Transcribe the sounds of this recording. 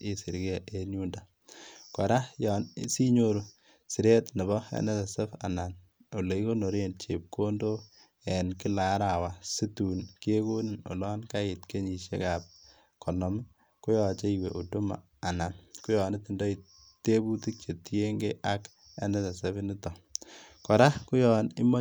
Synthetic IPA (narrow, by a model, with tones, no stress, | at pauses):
e˦si˨ɾke˦ʔe˨nu˦nda | kɔ˨ɾa˦jɔ˨nsi˦ɲo˦ɾo˨ | si˨ɾe˦tnɛ˨bɔ˦ḛ˦nɛ˦tɛ˨se˦fa̰˨na˨n | o˨le˨i˦ko˦no˨ɾe˦nt͡ʃe˨p̚kʰo˦ndo˦ | ɛ˨nkɪ˦la˨˦ɾa˨wa˨si˦tu˨nke˦ko˦ni˨no̰˨lɔː˦nka˦ɪ˨tke˦ɲi˨ʃḛ˦ka˨p̚ | kʰɔ˨nɔ˨mɪ˦ | kʊ˦jɔ˨t͡ʃe˦iwe˨ʔu˨du˦ma̰˨ | a˨na˨nku˦jɔ˨nɪ˦ti˨ndo˦i˨ | te˦bu˦ti˦k̚t͡ʃe˨ti˦e˦ŋɡe˦ʔa˦k | ḛ˦nɛ˦ta˨sɛ˦βi˦nɪ˦tɔ˨kɔ˨ɾa˦ku˦jɔ˨nɪ˦mɔ˦